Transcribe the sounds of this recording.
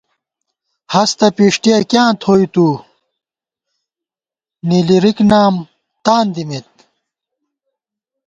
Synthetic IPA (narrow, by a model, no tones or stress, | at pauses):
hɐst̪ɐpiʂʈijɐkjãːt̪ʰoːjt̪u | niliɾiknaːm | t̪aːnd̪imit̪̚